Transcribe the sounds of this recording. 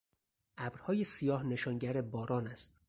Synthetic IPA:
ʔæbɾhɒːjesijɒːhne̞ʃɒːnɟæɾebɒːɾɒːnæst̪

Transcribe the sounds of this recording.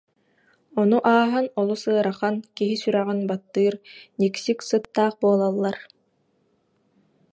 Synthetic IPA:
ɔnuʔaːɦɯnɔlˠusɯɐɾaχankiɦisyɾɛʁinbat̪ːɯːɾniksiksɯt̪ːaːχbuɔlˠalˠːaɾ

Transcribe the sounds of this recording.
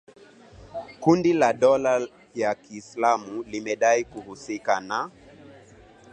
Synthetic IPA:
kundilaɗɔla | jakiːslamulimɛɗaikuhusikana

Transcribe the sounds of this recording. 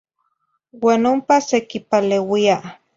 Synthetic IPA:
waːnompasekipalewia

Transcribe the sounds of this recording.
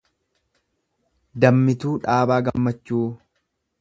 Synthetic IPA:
d̪ɐmːɪt̪uːᶑaːbaːɡɐmːɐt͡ʃːuː

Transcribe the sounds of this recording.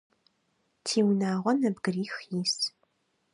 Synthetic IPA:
tʰiːwnaːʁʷɔnɐbɡɨriːxjiːs

